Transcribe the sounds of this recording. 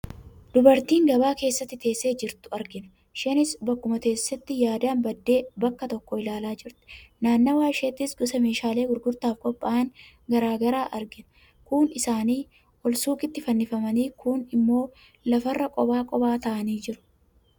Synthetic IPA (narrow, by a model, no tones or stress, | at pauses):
d̪̥ʊbɐɾt̪iːŋɡɐbaːke̞ːsːɐt̪ːɪt̪e̞ːsːe̞ːd͡ʒɪɾt̪ʊɐɾɡɪnɐ̥ | ʃɛnɪsbɐkːʊmɐke̞ːsːɐt̪ːɪjaːd̪aːnbɐd̪ːe̞ːbɐkːɐt̪ɔkːɔɪlaːlaːd͡ʒɪɾt̪ɛ̥naːnːɐwaːʃet̪ːɪsɡʊsɐme̞ːʃaːle̞ːɡʊɾɡʊɾt̪aːfkʼɔpʼːaːŋ | ɡɐɾaːɡɐɾaːʔɐɾɡɪn | kʊnɪsaːniː | ʔɔlsuːkɪt̪ːɪfɐnːɪfɐmɐniːkʰʊnɪmːo̞ː | lɐfɐrːɐkʼɔbaːkʼɔbaːt̪ɐʔɐniːd͡ʒɪɾʊ̥